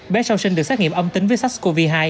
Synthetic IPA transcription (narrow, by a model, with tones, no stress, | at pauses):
ɓɛ˨˦˥sə˧wsi˧ŋ̟ɨ˨˩k̚saː˦˥ŋi˨˩əmʔə˧wŋ͡mt̪ï˨˦ŋ̟vəː˨˦jsa˦˥sko˧vi˧ɦaː˧j